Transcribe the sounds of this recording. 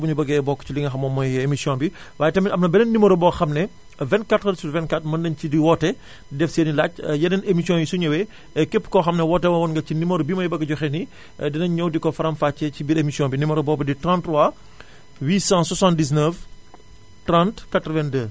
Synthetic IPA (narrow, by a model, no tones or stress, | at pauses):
buɲubɐɡɛbɔkːt͡ʃiliŋɐxɐmɔːmːɔjemisijɔ̃nbi | waːjɛtɐmiʔɐm̚nɐbɛnɛnːimɐɾbɔxɐmnɛ | vɛ̃nkatɾɐdsuvɛnkatmɐndɐncidiwɔtːɛ | dɛfseːnilacjɛnɐnemisijɔ̃njisuɲɐwɛ | ɛkɛpːkɔxɐmnɛwɔtːɛwɐwɔnŋɡɐcinimɐɾbimɐjbɐɡːɐɟɔxɛni | dɛnɐɲɲɐwdikɔfɐɾɐmfat͡ʃːɛcibiɾemisijɔ̃nbinimɐɾobɔːbɐditrãntrwa | wiːsãsɔsãndis̬nəf | trãntkatɾəvɛndəː